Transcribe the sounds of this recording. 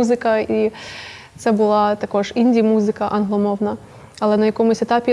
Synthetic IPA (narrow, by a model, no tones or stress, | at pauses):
uzɪkɐi | t̪sɛbʊlˠɑt̪ɐkɔʐinʲdʲimuzɪkɐʔɐnɦlˠɔmɔwnɐ | ɐlˠɛnɐjɐkɔmʊsʲɛt̪apʲi